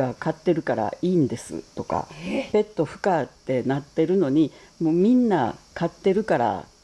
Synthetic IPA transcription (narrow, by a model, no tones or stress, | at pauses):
akat̪ːe̞ɾɯ̟kaɾa̰iːnd̪e̞sɨ̰t̪o̞ka̰pe̞t̪ːo̞ɸɯ̟̥kat̪ːe̞nat̪ːe̞ɾɯ̟no̞ɲ̟i | moːmʲĩnːakat̪ːe̞ɾɯ̟kaɾa̰